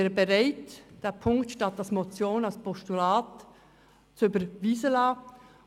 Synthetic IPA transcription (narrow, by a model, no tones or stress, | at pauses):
ebeʁaɪtd̥eːɐpʰʊŋktʃtɑtalsmot͡sjoːnalspʰɔstulɑːt | t͡sybəɾviːzəlɑː